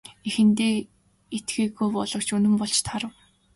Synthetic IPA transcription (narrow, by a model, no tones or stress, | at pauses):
exɘ̆nt̪eː | et̪ɡiːɣujpɔɮɞ̆kt͡ɕɵnɘ̆mpɔɮt͡ɕt̪ʰaɾə̆w